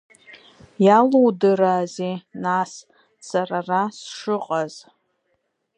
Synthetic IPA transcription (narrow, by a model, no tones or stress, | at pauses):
jalowdɨɾaːzenas | sararasʂɨqʼaz